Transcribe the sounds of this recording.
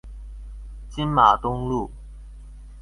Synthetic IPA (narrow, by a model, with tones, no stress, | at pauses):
t͡ɕi˦˥nma˨˩t̪ʊ˦˥ŋlu˥˨